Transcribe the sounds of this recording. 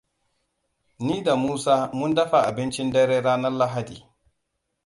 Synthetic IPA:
niː˦da˨muː˦saː˦mʊ˦ndɐ˦ɸa˨ʔa˨bɪ˦nt͡ʃi˦ndɛ˦ɾɛ˦ɾaː˦na˦la˦ɦa˦dḭː˨

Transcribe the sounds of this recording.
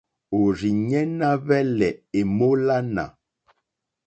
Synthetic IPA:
o˨ɾi˨ɲɛ˦na˦βɛ˦lɛ˨e˨mo˦la˦na̰˨

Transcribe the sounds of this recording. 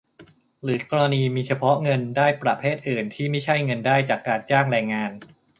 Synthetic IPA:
ɾɯː˩˦kɔː˧a˧niː˧miː˧t͡ɕʰa˧pʰɔ˦˥ŋɤ˧ndaː˥˩jpɾa˧pʰeː˥˩t̪̚ʔɯː˨˩nt̪ʰiː˥˩ma˥˩jt͡ɕʰa˥˩jŋɤ˧ndaː˥˩jt͡ɕaː˨˩kːaː˧nt͡ɕaː˥˩ŋɾɛː˧ŋːaː˧n

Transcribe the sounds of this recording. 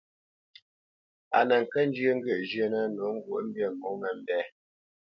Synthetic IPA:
a̰˨nə˨ŋ̩˨kə˦n˦d͡ʒjə˦ŋ̩˦ɡə˦˨ʔd͡ʒjə˦nə˦no˨˦ŋ̩˦ɡwu˦ʔm̩˦bjə˦˨ŋ˨o˨˦mə˨m̩˦bɛ˦

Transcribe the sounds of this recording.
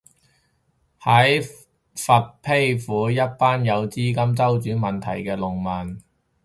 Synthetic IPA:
hɐ˨˥j | fɐ˨t̚pʰe˥jfuː˨˥jɐ˥t̚paː˥njɐ˨˧wt͡siː˥kɐ˥mt͡sɐ˥wt͡syː˨˥mɐ˨nt̪ʰɐ̰˨˩jkɛː˧lʊ˨ŋmɐ˨n

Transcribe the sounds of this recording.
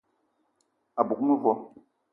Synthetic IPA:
a˨bu˨k̚mə˦vɔ˦

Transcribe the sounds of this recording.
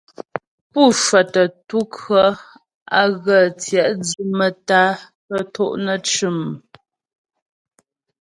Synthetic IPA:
pu˦˨ʃwə˨tə˨tu˦kɰə˦ | a˦ɣə˨t͡sjɛ˨ʔd͡zʉ˦mə˨ta˦ | tə˦tʰɔ˦˨ʔnə˦˨t͡ʃʉ˦˨m

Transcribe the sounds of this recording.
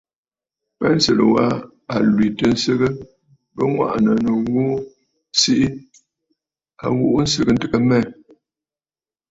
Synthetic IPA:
pɛ˦n̩˦sə˦˨lə̰˨wa˦ | a˨lwi˨tə˨n̩˦sɨ˦ɣə˦ | bə˦ŋwa̰˦˨ʔnə˨nə˨wo˦ | si˦ʔi˦ | a̰˨wu˦ʔn̩˦sɨ˦ɣə˦n̩˦tɨ˦kə˦mɛ˦˨

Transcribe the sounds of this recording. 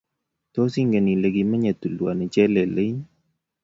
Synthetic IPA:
t̪o˦si˦ŋɡe˨ni˨le˨ɡi˨ma˦ɲa˨t̪u˨lwa˨ne˨t͡ʃɛ˦lɛ˨lɪ˦

